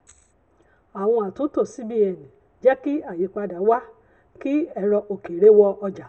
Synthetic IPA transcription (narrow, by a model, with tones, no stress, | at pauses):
a˨w̃ɔ̃˧a˨tũ˨˦to˦˨si˨˦bi˧˦ɛ˨nĩ˨ | d͡ʒɛ˦ki˦a˦˨ji˨˧˨k͡pa˧da˨˦wa˦ | ki˦ɛ˧ɾɔ˧ʔo˨˧ke˨ɾe˦wɔ˧ɔ˧d͡ʒa˨